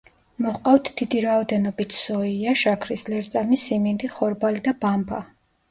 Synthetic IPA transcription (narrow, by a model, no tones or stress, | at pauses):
mɔχqʼaft̪ʰd̪̥id̪iɾaɔd̪ɛnɔbit̪ʰsɔiaʃakʰɾislɛɾt̪sʼamisimind̪iχɔɾbalid̪abambʰa̰